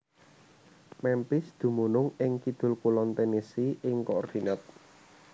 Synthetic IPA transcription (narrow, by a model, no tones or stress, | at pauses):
mɛmpɪsd̪̥ṳmunʊŋɪŋkid̪̥ʊ̤lkulɔnt̪enesiʔɪŋkɔɔrd̪̥i̤nat̪̚